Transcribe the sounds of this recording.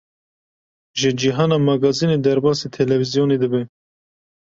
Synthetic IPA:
ʒɨd͡ʒiɦɑːnɑːmɑɡɑzineːd̪ɛɾbɑːset̪ʰɛlɛvizijoːned̪ɨbɛ

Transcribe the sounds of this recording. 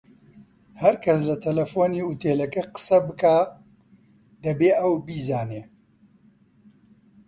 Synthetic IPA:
hɐɾkʰɐs̬lɐt̪ʰɐlɐfoːniut̪eːlɐkeqə̥sɐbɨkaː | d̪ɐbeːʔɐwbiːzaːneː

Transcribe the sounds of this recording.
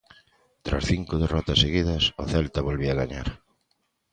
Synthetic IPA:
t̪ɾa̰sθiŋkʊðerɔt̪ɐseɣiðɐsʊθɛlt̪ɐβolβiɐɣaɲa̰ɾ

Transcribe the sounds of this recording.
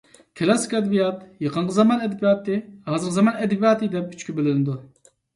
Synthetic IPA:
kʲʰɛlˠɑsi̥kʲɛd̪bijɑt̪jɑqənqʰəzɑmɑnɛd̪ɛbijɑːt̪ːɨhɑːzɨɾqʰəzɑmɑnɛd̪ɛbijɑːt̪ɨd̪ɛp̚y̥t͡ʃkʲybɪlɪnɪd̪u

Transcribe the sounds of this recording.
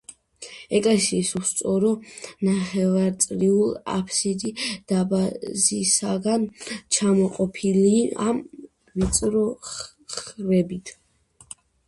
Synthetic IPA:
ɛkʼlɛsiːsust̪sʼɔɾɔnaχɛvaɾt̪sʼɾiulˠa̰pʰsid̪id̪̥abazisaɡant͡ʃʰamɔqʼɔpʰilia̰m | ɾit̪sʼɾɔ | χɾɛbit̪ʰ

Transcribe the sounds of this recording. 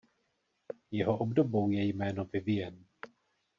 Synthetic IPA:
jɛɦo̞ʔobdo̞bo̞wjɛjmɛːnovɪvɪjɛn

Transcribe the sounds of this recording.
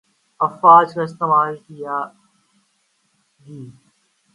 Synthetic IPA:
ɐfɾaːd͡ʒkaɪst̪eːmaːlkija | ɡiː

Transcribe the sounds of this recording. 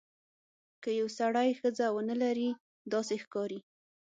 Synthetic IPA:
kəjawsaɽajxəd͡zawənəlaɾi | d̪ɑsexkɑɾi

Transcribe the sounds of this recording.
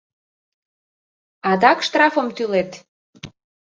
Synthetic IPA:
ɑd̪ɑkʃt̪rɑfəmt̪ylet̪

